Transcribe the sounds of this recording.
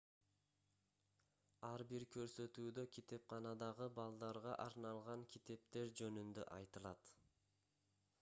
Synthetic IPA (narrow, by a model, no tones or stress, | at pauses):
ɑɾbiɾkʰø̞ɾsø̞t̪yːd̪ø̞kʲʰit̪e̞p̚qʰɑnɑd̪ɑʁɯbɑlˠd̪ɑɾʁɑ̰ʔɑɾnɑlˠʁɑŋkʲʰit̪e̞p̚t̪e̞ɾd͡ʒø̞nynd̪ø̰ʔɑjt̪ɯlˠɑt̪